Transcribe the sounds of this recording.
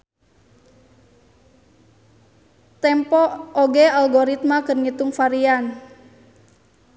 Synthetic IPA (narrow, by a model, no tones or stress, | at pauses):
t̪ɛmpɔːɡɛalɡɔɾit̪̚makɨrɲit̪uŋfaɾian